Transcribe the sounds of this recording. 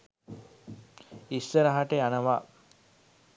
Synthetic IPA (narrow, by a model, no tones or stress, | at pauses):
isːəɾaɦaʈeanəʋaː